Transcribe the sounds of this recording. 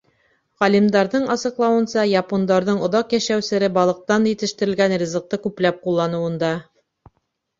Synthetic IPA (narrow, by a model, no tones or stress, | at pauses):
ʁɑlʲimd̪ɑɾðɤɴɑsɤ̆qlˠɑwɤ̆nsɑjɑpond̪ɑɾðɤɴŏðɑqjæʃæwsɘ̆ɾɘbɑlˠɤ̆q̚t̪ɑnjɘ̆t̪ɘ̆ʃt̪ɘ̆ɾɘ̆lɡænrʲizɤ̆q̚t̪ɤkʉplæp̚qulˠːɑnŭwɤ̆nd̪ɑ